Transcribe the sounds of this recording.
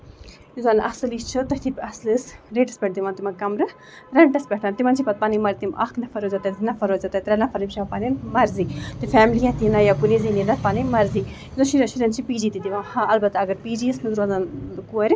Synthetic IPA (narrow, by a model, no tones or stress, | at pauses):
izanʔɐsɨlist͡ʃʰɨt̪ɐht̪ʰipɐslɨsɾeːʈɐspʲeʈ̚t̪imant̪imɐkɐmɾɨ | ɾɐɳʈɐspʲeʈaːnt̪imɐnt͡ʃʰipɐt̪̚paːnimɐɾt̪imɐ̰knɐfɐɾoːzɐt̪ɐzinɐfɐɾozɐt̪ɐt̪iɾɐnɐfɐɾimʃapanimɐɾzit̪ɨfɛːmlijat̪inɐjakuɾizininɐt̪paːnimɐɾzi | zoʃiɾɐʃiɾɐnt͡ʃʰipiːd͡ʒit̪it̪iʋɐmhaɐlbɐt̪aɐɡɐɾpiːd͡ʒisnɐzuɾazankuɐɾi